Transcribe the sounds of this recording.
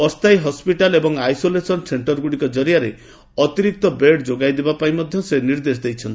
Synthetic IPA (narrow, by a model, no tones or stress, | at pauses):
ɔst̪ʰajɦɔspiʈalebɔŋajsolesɔnseɳʈɔɾɡuɽikɔd͡ʒɔɾijaɾe | ɔt̪iɾik̚t̪ɔbeʈd͡ʒoɡajd̪ebapaĩmɔd̪ʱjɔseniɾd̪esd̪ejt͡ʃʰɔnt̪i